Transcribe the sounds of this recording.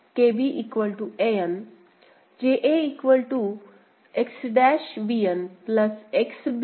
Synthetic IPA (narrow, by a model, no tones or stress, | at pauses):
kebiʔiːkʋəlʈuejən | d͡ʑeʔeiːkʋəlʈu | eksɖɛʃʋijənpləseksb